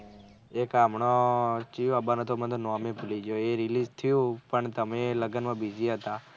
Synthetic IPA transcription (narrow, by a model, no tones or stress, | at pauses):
ekaːmɳot͡ʃijoəbanot̪omə̃t̪onomẽpulid͡ʒoeɾilizt̪ʰijũpəɳt̪əmẽləɡənmãbiziɦət̪a